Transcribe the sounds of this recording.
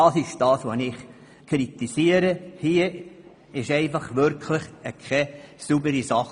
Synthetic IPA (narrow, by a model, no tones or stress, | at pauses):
ɑːsɪʃd̥ɑːsʋonɪχ | kʰɾit̪isiəɾəhiə | ɪʃɛɪfɑχʋʏɾkʰləχəkʰɛsubəɾisɑχ